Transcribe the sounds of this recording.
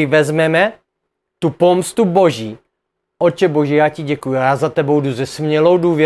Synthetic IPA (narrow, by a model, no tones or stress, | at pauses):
ɪvɛzmɛmɛ | t̪upomst̪ubo̞ʒiː | ʔot͡ʃɛboʒɛjaːcɪɟɛkujujaːzat̪ɛbo̞wduzɛsmɲɛlowduːvjɛ